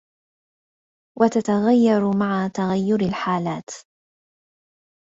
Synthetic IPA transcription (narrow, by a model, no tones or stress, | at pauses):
wʔat̪at̪aɣajːɑɾˤmaʕat̪aɣajːʊɾalħaːlaːt̪